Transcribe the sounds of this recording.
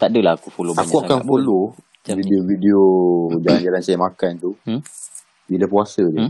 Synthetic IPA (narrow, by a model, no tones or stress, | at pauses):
t̪aʔdəlaakufolʊakuakaŋfolʊ | videovideod͡ʒaland͡ʒalansajəmakant̪u | bilapuasədə